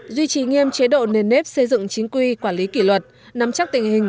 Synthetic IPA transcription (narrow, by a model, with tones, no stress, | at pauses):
zwi˧t͡ɕi˧˩ŋi˧əmt͡ɕe˨˦ɗo̰˧˨ne˧˩nːe˦˥p̚sə˧jzɨ̰˧˨ŋt͡ɕi˨˦ŋkwi˧kwaː˧˩nli˨˦kḭ˧˩lwə˨˩t̚ | na˨˦mt͡ɕa˦˥k̚t̪ï˨˩ŋ̟hï˨˩ŋ̟